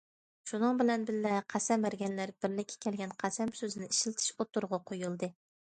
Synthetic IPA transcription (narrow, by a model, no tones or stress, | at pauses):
ʃunɨŋbɪlɛnbɪlːɛqʰæsɛmbæɾɡʲɛnlæɾb̥ɪɾlɪkʲʰːɛ̥kʲʰɛlɡʲɛnqʰæsɛmsøzɪnɪiʃɪlt̪ʰɪ̥ʃot̪ʰuɾʁɑqʰojulˠd̪ɨ